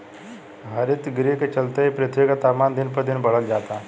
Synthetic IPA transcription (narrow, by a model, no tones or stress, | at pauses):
ɦəɾit̪ɡɾikt͡ʃəlt̪eipɾət̪ʰʋikat̪amand̪inpəd̪inbəɭəld͡ʒat̪a